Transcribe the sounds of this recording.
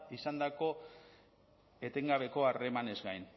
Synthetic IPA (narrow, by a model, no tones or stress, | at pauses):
isand̪ako̞ | e̞t̪e̞ŋɡaβ̞e̞ko̞are̞mane̞zɡajn